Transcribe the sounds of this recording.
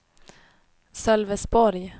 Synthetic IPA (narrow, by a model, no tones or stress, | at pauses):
sœlvɛsbɔɾj